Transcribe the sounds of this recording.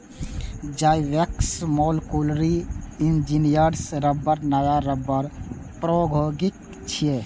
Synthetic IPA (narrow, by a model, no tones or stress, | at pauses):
d͡ʒajʋeksmɔlkulɾiind͡ʒinijəɾsɾəbːəɾnajaɾəbːəɾ | pɾoɡʱoɡik̚ | t͡ʃʰije